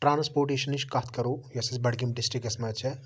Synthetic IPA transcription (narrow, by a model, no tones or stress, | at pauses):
ʈɾaːnspoːɾʈeːʃɐniʃkat̪ʰkɐɾoːjɐsɐsbɐɽkimɖɪsʈɾikɐsmɐt͡ʃʰɛ